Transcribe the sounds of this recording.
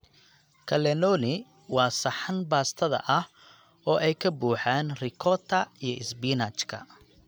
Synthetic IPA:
kʰɐlɛnɔnɪ | wɑːsɐħanbaːst̪ʰɐðɐ̰ʔɐh | ɔːʔɛjkʰɐbuːħaːnrɪkʰɔt̪ʰɐijɞʔɪsbiːnat͡ʃkʰɐ̰

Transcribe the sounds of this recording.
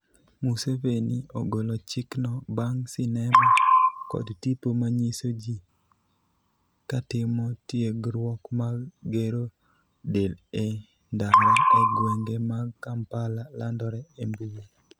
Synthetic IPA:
musevenioɡolɔt͡ʃɪknɔbaŋsɪnɛmakɔ̰dtipomaɲisod͡ʒi | katɪmɔtjeɡɾwɔkmaɡeɾo | dele | ndalɔeɡweŋɡemakampalalandɔɾɛembuwo

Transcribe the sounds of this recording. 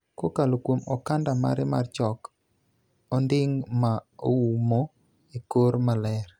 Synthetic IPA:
kokalokwomɔkandama̰ɾɪma̰rt͡ʃɔk | ɔndɪŋmaoumo | ikoɾmalɛr

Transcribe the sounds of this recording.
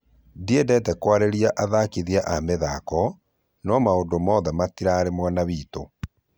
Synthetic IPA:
diedɛtɛkwaɾeɾiaʔaðakiðiaʔameðakɔ | nɔmaondomɔðɛmatiɾaːɾemwaːnaβiːto

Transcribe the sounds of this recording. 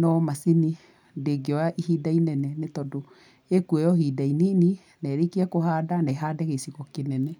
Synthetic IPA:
nɔmasini | deɡeɔaʔihiːdainɛnɛnetɔdo | ekuɛjɔhidainini | nɛːɾekiɛkoɦaːdanaeɦaːdɛɣesiɣɔkenɛnɛ

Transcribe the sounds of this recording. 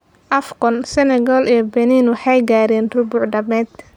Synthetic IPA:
ʔɐfkɔnsɛnɛɡɔːlɛːbɛniːnwɑħɑjɡaːɾɛːnrʊbʊʕɖɐmɛːd̪

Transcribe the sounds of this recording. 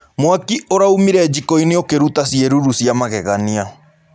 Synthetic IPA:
mwakioɾaumiɾɛd͡ʒikɔineokeɾutasieɾuɾusiamaɣɛɣania

